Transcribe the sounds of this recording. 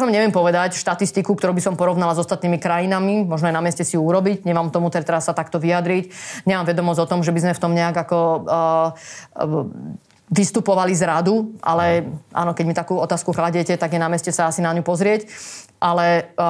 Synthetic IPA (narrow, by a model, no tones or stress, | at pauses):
jaʋamɲɛʋɪɛmpɔʋɛd̪acʃt̪at̪ist̪ikuk̚t̪ɔɾuːbisɔmpɔɾɔʋnalazɔst̪at̪niːmikɾajinamimɔʒnɔajnamɪɛscɛsiuuɾɔbiɟɲɛmaːmt̪ɔmut̪ɛɾt̪ɛɾasːat̪akt̪ɔʋiad̪ɾicɲɛmaːmʋɛd̪ɔmɔzɟɔt̪ɔmʒɛbizmɛft̪ɔmɲɛaɡakɔ | ʋist̪upɔʋalizɾad̪uʔa̰lɛʔa̰ːnɔkɛɟmit̪akuːɔt̪aːskuklaɟɛcɛt̪aɡjɛnamɛscɛsaasinaɲupɔzɾɪɛcʔalɛ